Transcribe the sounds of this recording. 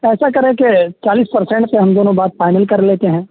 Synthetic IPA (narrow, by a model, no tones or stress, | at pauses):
ɛːsakɐɾẽket͡ʃaːliːspɐɾsɛ̃ɳʈpeɦɐmd̪oːnõbaːt̪faːɪnəlkɐɾleːt̪eɦɛ̃ː